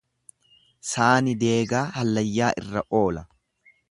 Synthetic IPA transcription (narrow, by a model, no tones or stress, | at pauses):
saːnɪd̪e̞ːɡaːhɐlːɐjːaːʔɪrːɐʔo̞ːlɐ